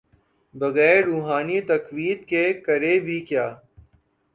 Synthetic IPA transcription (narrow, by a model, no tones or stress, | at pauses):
bɐɣɛːɾːuːɦaːnit̪ɐkwiːt̪̚kekɐɾebʱikjaː